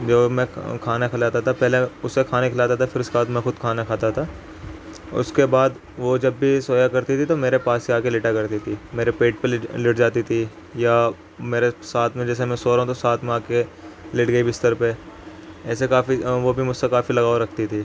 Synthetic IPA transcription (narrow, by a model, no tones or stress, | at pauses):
d͡ʒoːmɛ̃kʰaːnakʰɪlaːt̪at̪ʰapɛɦleʊsːekʰaːnekʰɪlaːt̪at̪ʰafɪɾʊskebaːd̪mɛ̃xʊd̪kʰaːnakʰaːt̪at̪ʰaː | ʊ̰skebaːd̪ | ʋod͡ʒɐbːʱisoːjakɐɾt̪it̪ʰit̪omeːɾepaːsiaːkelɪʈakɐɾt̪it̪ʰimeːɾepeːʈ̚pelɪʈd͡ʒaːt̪it̪ʰi | ja | meːɾesaːt̪ʰmẽd͡ʒɛːs̬emɛ̃soːɾɦũt̪osaːt̪ʰmẽaːkelɪʈɡɐibɪst̪əɾpe | ɛːsekaːfiʋobʱimʊd͡ʒsekaːfilɐɡaːoɾɐk̚ʰt̪it̪ʰiː